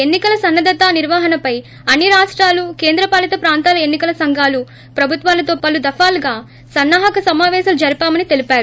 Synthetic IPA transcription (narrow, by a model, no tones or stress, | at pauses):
e̞nːikɐlɐsɐnːɐd̪ʱɐt̪aːniɾʋaːɦɐnɐpɐj | ɐnːiɾaːʂʈɾaːluke̞ːnd̪ɾɐpaːlɐt̪ɐpɾaːnt̪aːlɐenːikɐlɐsɐŋɡʱaːlu | pɾɐbʱut̪ʋaːlɐt̪o̞ːpɐlud̪ɐfaːlɡaː | sɐnːaːɦɐkɐsɐmaːʋɛːʃɐlud͡ʒɐɾipaːmɐnit̪e̞lipaːɾu